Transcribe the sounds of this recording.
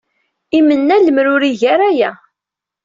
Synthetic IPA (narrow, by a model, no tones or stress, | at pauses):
imənːæləmɾʊɾiʝæɾæjæ